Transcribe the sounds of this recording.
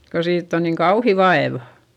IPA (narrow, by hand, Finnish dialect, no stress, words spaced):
ko siːtː on niːŋ kɑuhi ʋɑeʋɑ̥